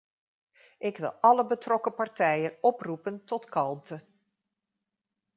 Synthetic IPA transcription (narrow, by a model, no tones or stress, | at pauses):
ʔɪkʋɪ̰lˠɑləbətrɔkəpɑrtɛjənɔprupəntɔtkɑlˠmtə